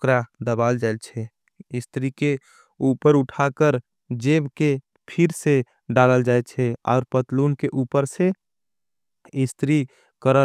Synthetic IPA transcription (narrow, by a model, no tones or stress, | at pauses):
kɾad̪əbaːld͡ʒaɪlt͡ʃʰɛ | ɪst̪ɾike | uːpəɾʊʈʰakəɾ | d͡ʒeːbke | pʰɪɾse | ɖaːləld͡ʒaːet͡ʃʰɛɔ̰ːɾpət̪luːnkeʔuːpəɾse | ɪst̪ɾi | kəɾə